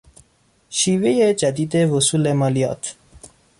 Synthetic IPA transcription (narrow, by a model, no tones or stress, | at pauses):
ʃivejed͡ʒad̪id̪ewusuːlemɑlijɑ̰ːt̪